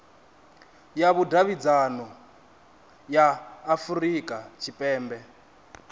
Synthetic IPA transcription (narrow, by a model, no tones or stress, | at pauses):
jaβudaβid͡zanɔ | jaːfurikʼat͡ʃʰipʼɛːmbɛ